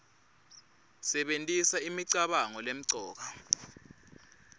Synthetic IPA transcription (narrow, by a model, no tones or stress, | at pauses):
sɛɓentʼisaimiǀaɓaŋɔlem̩ǀʱɔːk̬a